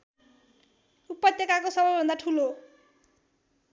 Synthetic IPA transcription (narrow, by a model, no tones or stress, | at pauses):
upːʌt̪jʌkakosʌbʌjbʱʌnd̪aʈʰulo